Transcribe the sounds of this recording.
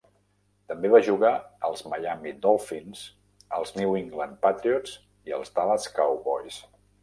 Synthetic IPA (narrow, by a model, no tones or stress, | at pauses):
t̪əmbeβaʒuɣaəlˠzməjamid̪ɔlˠfinz̥ | əlˠzniwiŋɡlən̚pat̪ɾiɔs | iə̰lˠzt̪aləskawβɔ̰js